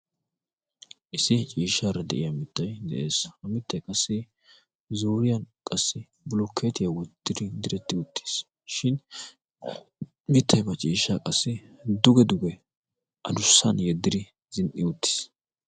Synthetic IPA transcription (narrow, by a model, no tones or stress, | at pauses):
ʔɪsɪt͡ʃʼiːʃːaːɾɐd̪ɛ̰ʔɪjɐmɪt̪ːɐjd̪ɛ̰ʔe̞ːshɐmɪt̪ːɐjkʼɐsːɪ | zuːɾɪjɐnkʼɐsːɪ | bʊlɔkʰːet̪ɪjɐwɔdt̪ːɪd̪ɪd̪ɪɾɛt̪ːɪʊt̪ʰːe̥s | ʃɪn | mɪt̪ʰːɐjbɐt͡ʃʼiːʃːakʼɐsːɪd̪ʊɡɛd̪ʊɡɛ | ʔɐd̪ʊsːɐnjɛd̪ːɪd̪ɪ | z̥ɪnʔɪʊt̪ːɪ̥s